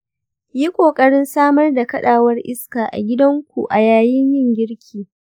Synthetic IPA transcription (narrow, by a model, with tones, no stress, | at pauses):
ji˦kʷʼoː˨kʼɐ˦ɽɪ˦nsaː˦mɐ˦rda˨kɐ˦ɗaː˨wɐ˦rʔɪ˦skaː˨ʔa̰˨ɡʲɪ˦dɐ˦ŋkʷu˨ʔa˨jaː˨jɪ˦ɲjɪ˦ŋɡʲɪ˦ɽkʲʰiː˨